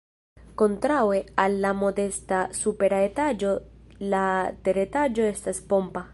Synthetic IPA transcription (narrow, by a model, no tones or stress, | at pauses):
kont̪ɾawealːamod̪est̪asupeɾaet̪ad͡ʒolat̪eɾet̪ad͡ʒoest̪aspompa